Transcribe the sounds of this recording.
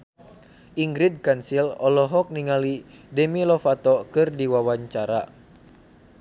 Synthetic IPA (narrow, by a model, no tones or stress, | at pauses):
ʔiŋɡɾid̚kansilɔlɔɦɔk̚niŋali | dɛmilɔfat̪ɔkɨrdiwawaɲt͡ʃaɾa